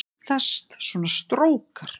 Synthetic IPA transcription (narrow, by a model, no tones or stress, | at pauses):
θɛst̪svɔːnast̪ɾoːwkaɾ̥